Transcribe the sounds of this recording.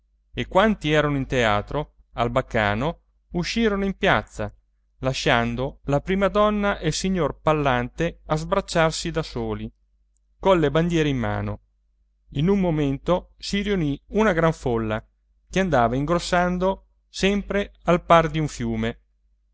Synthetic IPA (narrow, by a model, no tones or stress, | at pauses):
ekwant̪iɛːɾanoint̪ea̰ːt̪ɾo | albakːa̰ːno | uʃːiːɾonoimpjat̪sːa | laʃːand̪olapɾiːmad̪ɔnːaʔelsiɲːorpalːant̪eazbɾat͡ʃːarsid̪asoːli | konlːeband̪jɛːɾeimːa̰ːno̰ | inumːoment̪osiɾiuniunaɡɾaɱfolːa | keand̪aːvaiŋɡɾosːand̪o | sɛmpɾealpard̪iuɱfjuːme